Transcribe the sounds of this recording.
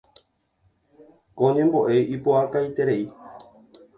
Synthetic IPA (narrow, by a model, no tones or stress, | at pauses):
kõɲẽ̞mbo̞ʔe̞jipoakajt̪e̞ɾe̞i